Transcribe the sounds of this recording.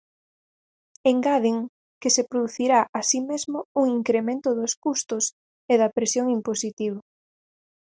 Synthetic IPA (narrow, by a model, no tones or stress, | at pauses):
eŋɡaðiŋ | kɪsepɾoðuθiɾaʔasimezmʊuŋiŋkɾemẽnt̪ʊðʊskust̪ʊs | eðɐpɾesjoŋimposit̪iβo